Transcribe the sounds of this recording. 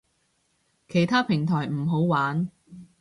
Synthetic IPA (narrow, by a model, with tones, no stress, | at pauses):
kʰe˨˩jt̪ʰaː˥pʰɪ˨˩ŋt̪ʰɔː˨˩jm̩˨˩ɦo˨˥wwaː˨˥n